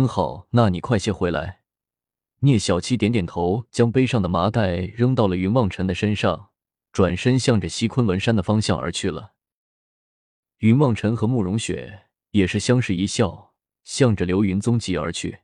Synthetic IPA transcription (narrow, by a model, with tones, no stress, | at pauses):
kə˥nxɑ˨˩ʊna˥˩ni˨˩kʰwa˥˧ɪɕjɛ˥˩xwe˧˥ɪla̰˧˥ɪ | njɛ˥˩ɕjɑ˨˩ʊt͡ɕʰi˥t̪jɛ˧˥nt̪jɛ˨˩nt̪ʰo˧˥ʊt͡ɕjɑ˥ŋpe˥ɪʂɑ˥˩ŋd̪ə˩ma˧˥k̪a˥˩ɪɻɤ˥ŋt̪ɑ˥˩ʊlə˩y˧˥nwɑ˥˩ŋʈ͡ʂʰə˧˥nd̪ə˨ʂə˥nʂɑ˥˩ŋ | ʈ͡ʂwa˨˩nʂə˥nɕjɑ˥˩ŋʈ͡ʂə˩ɕi˥kʰwə˥nwə˧˥nʂa˥nd̪ə˨˩fɑ˥ŋɕjɑ˥˩ŋʔə̰˞˧˥t͡ɕʰy˥˩lə̰˩ | y˧˥nwɑ˥˩ŋʈ͡ʂʰə˧˥nxɤ˧˥mu˥˩ɻʊ˧˥ŋɕɥɛ̰˨˩˦ | jɛ˨˩ʂɻ̩˥˩ɕjɑ˥ŋʂɻ̩˥˩i˧˥ɕjɑ˥˩ʊ | ɕjɑ˥˩ŋʈ͡ʂə˩ljo˧˥ʊy˧˥nt͡sʊ˥ŋt͡ɕi˧˥ə̰˞˧˥t͡ɕʰy̰˥˩